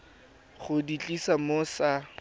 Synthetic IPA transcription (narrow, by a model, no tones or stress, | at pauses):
χʊdit͡ɬʼisamosa